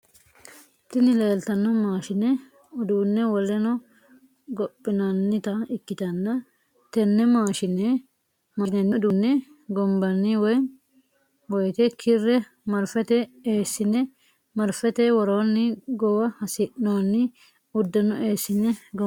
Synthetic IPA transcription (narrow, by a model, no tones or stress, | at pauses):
t̪ɪnɪleːlt̪ɐnːɔmaːʃɪnɛ | ʊd̪uːnːɛwɔlɛnɔ | ɡɔpʼːɪnɐnːɪt̪ɐɪkːɪt̪ɐnːɐ | t̪ɛnːɛmaːʃɪnɛ | mɐnɛnːɛd̪unːɛ | ɡɔmbɐnːɪwɔj | wɔjt̪ɛkʰɪrːɛ | mɐɾfɛt̪ɛeːsːɪnɛ | mɐɾfɛt̪ɛwɔɾoːnːɪɡɔwɐhɐsɪʔnoːnːɪ | ʊd̪ːɛnːɔʔeːsːɪnːɛɡɔ